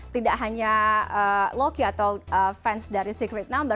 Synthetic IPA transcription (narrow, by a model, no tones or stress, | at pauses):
t̪idaʔɦaɲaəlokiat̪awʔəfɛnsdaɾisikɾɛt̪̚nambə